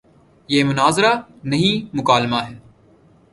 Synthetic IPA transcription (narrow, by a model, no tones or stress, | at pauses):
jeːmʊnaːzɾanɐɦĩmʊkaːlmaɦɛː